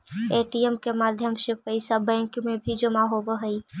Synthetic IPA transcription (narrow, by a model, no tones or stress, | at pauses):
eʈiemkemaːd̪ʱjəmsepəɪsabɛ̃ŋkmebʱid͡ʒəmaɦobəɦəi